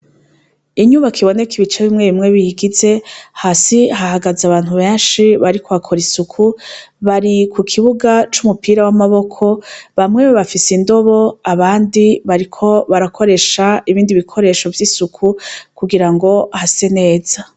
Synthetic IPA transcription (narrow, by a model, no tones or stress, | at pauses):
iɲuβakʰiβo̞ne̞kiβit͡ʃeβimŋe̞βimŋe̞βijiɡize̞hasiɦahaɡazaβaːn̥huβeːnʃiβaɾikʰoβakʰo̞ɾisukʰuβaɾikʰukʰiβuɡat͡ʃumupiːɾawamaβo̞kʰo̞βamŋe̞βeβafisindo̞βo̞aβaːndiβaɾikʰo̞βaɾakʰo̞ɾe̞ʃaiβiːndiβikʰo̞ɾe̞ʃo̞vjisukʰukuɡiɾaŋɡo̞hase̞ne̞ːz̥a